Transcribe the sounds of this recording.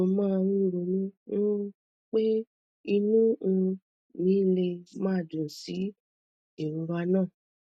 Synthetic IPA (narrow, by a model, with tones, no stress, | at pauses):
o˧mãː˦˧ɾĩ˦˨ɾo˧nĩ˦ũ˦ | k͡pe˦ | i˧nũ˦˧ | nĩː˨˦˨le˧mãː˦˨dũ˨si˨˦ | e˨ɾ̃ũ˨˧wa˧˦nãː˦˨